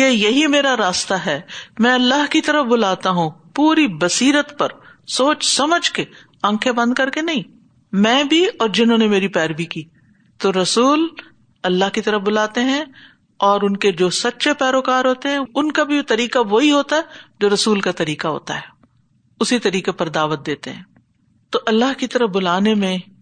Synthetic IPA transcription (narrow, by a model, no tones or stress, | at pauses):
jeːjɐɦimeːɾaɾaːst̪aɦɛːmɛ̃ɐlːaɦkit̪ɐɾəfbʊlaːt̪aɦũpuːɾibɐsiːɾət̪pɐɾ | soːt͡ʃsɐməd͡ʒʱke | ɐ̃ŋkʰebɐ̃nd̪̚kɐɾkenɐɦĩː | mɛ̃ːbʱiɔːɾd͡ʒɪnɦõːnemeːɾipɛːɾbikiː | t̪oɾɐsuːl | ɐlːaɦkit̪ɐɾəfbʊlaːt̪eɦɛ̃ | ɔːɾʊnked͡ʒoːsɐtːʃʰepɛːɾoːkaːɾɦoːt̪eɦɛ̃ʊnkabʱit̪ɐɾiːkaʋoɦiɦoːt̪aɦɛd͡ʒoːɾɐsuːlkat̪ɐɾiːkaɦo̰ːt̪a̰ɦɛː | ʊsit̪ɐɾiːkepɐɾd̪aːʋət̪̚d̪eːt̪eɦɛ̃ː | t̪oʔɐlːaɦkit̪ɐɾəfbʊlaːnemẽ